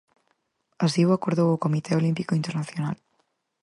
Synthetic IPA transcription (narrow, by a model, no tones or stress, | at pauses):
ɐsiwɐkoɾðowukomit̪ʰɛolimpikoint̪eɾnɐθjona̰l